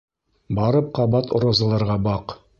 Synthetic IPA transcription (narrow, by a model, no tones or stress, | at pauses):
bɑɾɤp̚qɑβɑt̪ŏɾɑzɤ̆lˠɑɾʁɑbɑq